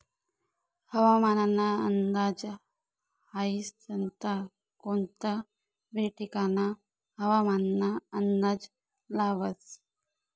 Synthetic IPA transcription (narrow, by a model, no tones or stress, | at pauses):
həʋamananːaə̰nd̪ad͡z | haist̪ənt̪a | kont̪a | beʈikana | həʋamannːaənd̪ad͡z | laʋət͡s